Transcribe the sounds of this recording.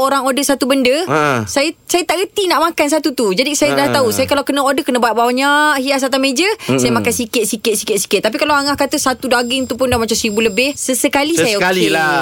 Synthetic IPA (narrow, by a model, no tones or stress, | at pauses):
oɾaŋodəsat̪ubəndəsajəsajət̪aʔɡət̪inaʔmakansat̪ut̪ud͡ʒadisajədəlah̪t̪ausajəkalawkənəodəkənə̃baat̪̚bawaɲaʔhias̬at̪amẽd͡ʒəsajəmakansikɪt̪̚sikɪt̪̚sikɪt̪̚si̥kɪt̪ːap̬ikalawaŋahkat̪əsat̪udaɡɪŋt̪upʊndamat͡ʃamsibuləbɪhsəsəkalissajaokalila